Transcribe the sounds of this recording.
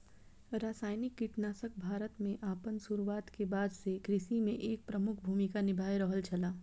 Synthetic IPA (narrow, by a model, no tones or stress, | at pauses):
ɾaːsaːjnɪkːiʈnaːsək̚bʱaːɾət̪mẽʔaːpənsuɾuʋaːt̪kebaːd̪ʱsekɾɪsimẽʔeːk̚pɾɐmʊkʰbʱuːmikanɪbʱaːjɾɔɦəlt͡ʃʰɐlaː